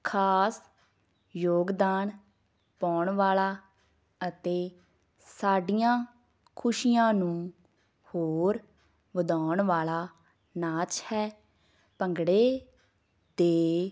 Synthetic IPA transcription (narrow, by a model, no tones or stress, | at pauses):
kʰaːs | joːɡd̪aːn | pɔːɳʋaːlaː | ət̪eː | saːɖijãː | kʰʊʃijãːnũː | hoːɾ | ʋəd̪aːɳʋaːlaː | naːt͡ʃhɛː | pəŋɡɽeː | d̪eː